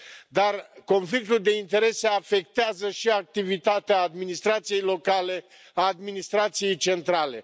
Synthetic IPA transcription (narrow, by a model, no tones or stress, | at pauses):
d̪arko̞nflik̚t̪uld̪e̞int̪e̞ɾe̞seafe̞k̚t̪eazəʃiak̚t̪ivit̪at̪eaːd̪minist̪ɾat̪sije̞jlo̞kale̞ | aːd̪minist̪ɾat̪sije̞jt͡ʃe̞nt̪ɾale̞̰